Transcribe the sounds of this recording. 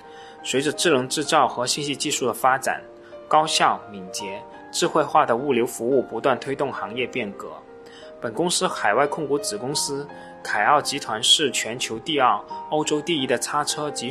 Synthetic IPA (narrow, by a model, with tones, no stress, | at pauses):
swe˧˥ɪʈ͡ʂə˧ʈ͡ʂɻ̩˥˩lɤ˧˥ŋʈ͡ʂɻ̩˥˧t͡sɑ˥˩ʊxɤ˧˥ɕi˥˧nɕi˥˧t͡ɕi˥˧ʂu˥˩d̪ə˩fa˥ʈ͡ʂa̰˨˩˦n | kɑ˥ʊɕjɑ˥˩ʊmi˨˩ŋt͡ɕjɛ˧˥ | ʈ͡ʂɻ̩˥˧xwe˥˧ɪxwa˥˩d̪ə˩u˥˩ljo˧˥ʊfu˧˥u˥˩pu˧˥t̪wa˥˩nt̪ʰwe˥ɪt̪ʊ˥˩ŋxɑ˧˥ŋjɛ˥˧pjɛ˥˩nkɤ˧˥ | pə˨˩nkʊ˥ŋsɹ̩˥xa˨˩ɪwa˥˧ɪkʰʊ˥˩ŋku˧˥t͡sɹ̩˨˩kʊ˥ŋsɹ̩˥ | kʰa˨˩ɪɑ˥˩ʊt͡ɕi˧˥t̪ʰwa˧˥nʂɻ̩˥˩t͡ɕʰɥɛ˧˥nt͡ɕʰjo˧˥ʊt̪i˥˧ɑ˥˩ʊo˥ʊʈ͡ʂo˥ʊt̪i˥˩i˧˥d̪ə˨t͡sʰa˥ʈ͡ʂʰɤ˥t͡ɕi˧˥